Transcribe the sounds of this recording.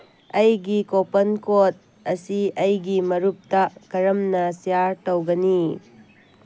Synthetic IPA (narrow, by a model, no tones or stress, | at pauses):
ɐjɡikopɐnkot̚ | ɐsiɐjɡimɐɾup̚tɐkɐɾɐmnɐsijaɾtɐwɡɐni